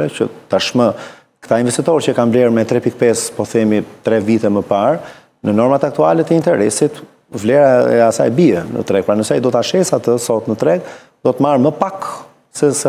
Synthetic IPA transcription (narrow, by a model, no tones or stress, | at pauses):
ɛcə̰t̪aʃmə | kt̪ainvɛst̪it̪ɔɾcəkanvlɛɾmɛt̪ɾɛpikpɛspɔθɛmit̪ɾɛvit̪ɛməpaɾ | nənɔɾmat̪ak̚t̪ualɛt̪əint̪ɛɾɛsit̪ | vlɛɾaɛ̰asajɛbiɛnə̰t̪ɾɛɡ̚pɾanəsɛaid̪ɔt̪aʃɛsat̪əsɔt̪nət̪ɾɛɡ | d̪̥ɔt̪maɾməpak | sɛsɛ